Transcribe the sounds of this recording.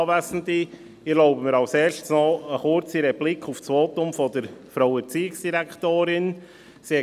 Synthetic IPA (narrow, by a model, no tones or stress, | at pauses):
vasn̩ti | ɪloʊbəmiɾaʊseːɾʃtsnɔəxʊɾt͡siɾɛb̥lɪkʰaʊfsvoːtʊmfɔdəɾfɾawət͡siːɪksd̥iɾɛktoːɾɪn | se